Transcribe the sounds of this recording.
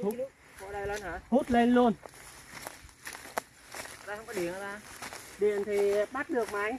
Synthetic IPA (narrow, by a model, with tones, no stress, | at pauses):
h | o˧˨la˧lnː˨˧˩hu˦˥t̚le˧nlu˧ən˨˩ | t̪aː˧˩hə˧wŋ͡mkɔ˨˧ɗi˨˩ən˧˩t̪aː˧˩ɗi˨˩ənt̪ʰi˨˩ɓa˦˥t̚ɗɨ˨˩ək̚ma˨˦j